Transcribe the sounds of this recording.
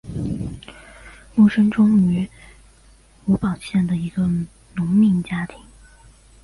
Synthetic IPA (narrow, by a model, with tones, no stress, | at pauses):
mu˥˩ʂə˥nʈ͡ʂʊ˥ŋy˧˥ | u˧˥pɑ˨˩ʊɕjɛ˥˩nd̪ə˩i˧˥ɡə˧ | nʊ˧˥ŋmi˥˩ŋt͡ɕja˥t̪ʰi˧˥˦ŋ